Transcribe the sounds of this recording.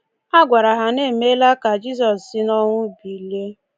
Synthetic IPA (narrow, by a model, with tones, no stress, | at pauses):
a˦ɡʷa˨ɾa˨ɦa˨ne˦˨me˦la˦ka˨d͡ʒi˦s̬ɔ˨ssi˦nɔ˦ŋʷʊ˦bi˨le˦